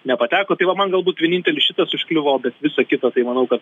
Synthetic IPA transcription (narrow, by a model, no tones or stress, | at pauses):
nʲɛpɐt̪ʲæːkoːt̪ɐɪʋɐmɐnɡɐlˠbuːt̪ʋʲiɛnʲiːnʲt̪ʲɛlʲɪsʃʲɪt̪ɐsʊʃʲklʲɪʋoːbʲɛt̪ʋʲɪsɐkʲɪt̪ɐt̪ɐɪmɐnɐʊkɐt̪